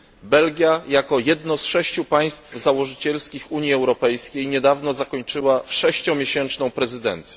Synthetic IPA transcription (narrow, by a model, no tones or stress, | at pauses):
bɛlɡʲjajakɔjɛd̪nɔsʂɛɕt͡ɕupaj̃st̪fzawɔʐɘt͡ɕɛlskʲixuɲjiɛwɾɔpɛjskʲejɲɛd̪avnɔzakɔɲt͡ʂɘwaʂɛɕt͡ɕɔ̃w̃mʲjeɕɛnt͡ʂnɔ̃w̃pɾɛzɘd̪ɛ̰nt̪sʲjɛ